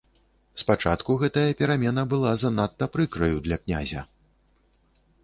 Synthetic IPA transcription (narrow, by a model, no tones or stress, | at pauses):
spat͡ʂat̪kuɣɛt̪ɐjɐpʲɛɾamʲɛnɐbɨlˠazanat̪ːɐpɾɨkɾɐjud̪lʲɐknʲa̰zʲɐ̰